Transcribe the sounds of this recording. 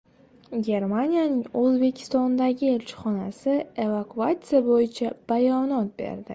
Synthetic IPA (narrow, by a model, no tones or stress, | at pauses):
ɡʲe̞ɾmanʲijanɪŋɵzbe̞kʲʰɪ̥st̪ɒnd̪aɡʲɪe̞lt͡ʃʰɪ̥χɒnasɪe̞vakʰuat̪sɨjabojɪt͡ʃʰab̥ajɒnɒt̪̚be̞̰ɾd̪ɪ̰